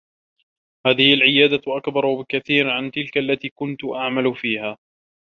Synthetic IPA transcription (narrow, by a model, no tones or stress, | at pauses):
haːðɪhɪalʕɪjaːd̪aʔakbɑɾˤwbɪkaθiːɾʕant̪ɪlkaʔalːat̪iːkʊnt̪ʊʔaʕmalʊfiːhaː